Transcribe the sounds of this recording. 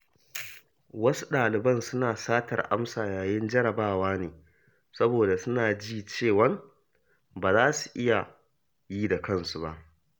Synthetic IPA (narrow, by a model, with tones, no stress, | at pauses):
wɐ˦su̥˦ɗaː˨lɪ˨bɐ˦˨nsʊ˦naː˨saː˦tɐ̰˨rʔa̰˦msaː˨jaː˨jɪ˦nd͡ʒɐ˦ɽɐ˨baː˦˨waː˦neː˨ | sɐ˦boː˨da˨sʊ˦naː˨d͡ʒiː˦˨t͡ʃeː˦˨wɐ˦ŋ | baː˨zaː˦su̥˨ʔɪ˦ja˨ | jiː˦da˨kɐ˦˨nsu˨ba˦ʔ